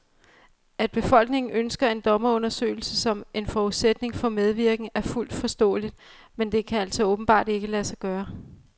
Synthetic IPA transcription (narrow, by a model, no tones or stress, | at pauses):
æd̥̚b̥e̝fɒ̽l̰ɡ̥ne̝ŋn̩ʔønsɡ̥ɐe̝nd̥ɒ̽mɐɔ̽nɐsø̰ːɪl̩səsɒ̽me̝nfɒːuðˠsed̥ne̝ŋfɒ̽með̞ˠʋiɐɡ̥n̩æɐful̰d̥fɒ̽sd̥ɔ̰ːlid̥̚ | mend̥e̝kʰææl̰sɒɔ̽ːb̥n̩b̥ɑ̰̈ːd̥e̝ɡ̥əlæsɑ̈ɡ̥ɶːɐ